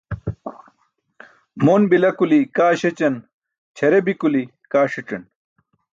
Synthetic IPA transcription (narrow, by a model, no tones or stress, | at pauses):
monbilɐkulikaːɕet͡ɕɐn | t͡ɕʰɐɾebikuli | kaːʂiʈ͡ʂɐn